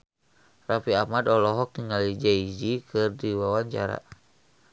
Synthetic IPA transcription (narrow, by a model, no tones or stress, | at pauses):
rafiamadɔlɔɦɔk̚tniŋalid͡ʒaid͡ʒikɨrdiwawaɲt͡ʃaɾa̰